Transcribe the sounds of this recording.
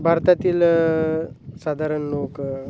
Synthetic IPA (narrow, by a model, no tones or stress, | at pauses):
bʱaɾt̪at̪iːl | sad̪ʱaɾəɳlok